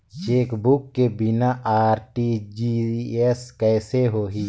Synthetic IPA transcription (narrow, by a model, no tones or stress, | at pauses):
t͡ʃeːkbukːebɪnaʔaːɾʈid͡ʒieskɛːseɦoːɦiː